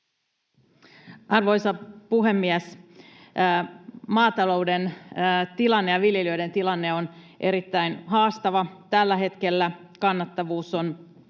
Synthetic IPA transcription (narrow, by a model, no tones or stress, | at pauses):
ʔɑrʋo̞jsɑpuɦe̞mːiæs | mɑːt̪ɑlo̞wdenːt̪ilɑnːejɑʋiljeløide̞nt̪ilɑnːe̞o̞n | ʔe̞ɾit̪ːæinɦɑːst̪ɑʋɑt̪ælːæɦe̞t̪ke̞lːækɑnːɑt̪ːɑʋuːson